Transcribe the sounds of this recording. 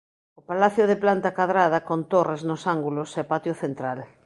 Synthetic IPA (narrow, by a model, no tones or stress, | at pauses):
opalaθjoðeplant̪ɐkaðɾaðɐkont̪oreznʊsaŋɡulosepat̪joθent̪ɾal